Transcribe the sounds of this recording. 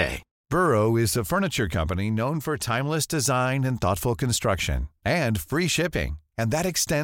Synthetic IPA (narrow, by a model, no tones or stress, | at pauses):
ḛɪ | b̥ɜ˞oʊɪzɨfɜ˞nɨt͡ʃə˞kʰʌ̰̃mpɨninõʊ̃nfə˞tʰãɪ̃mləsd̥ɨzãɪ̃nɨ̃nθɔ̰tfl̩ˠkʰɨ̃n̩stɹ̥ʌkʃɨ̰̃nɨ̃nfɹiʃɪpɪ̰̃ŋɨ̃nðɨɾɨkstɛ̃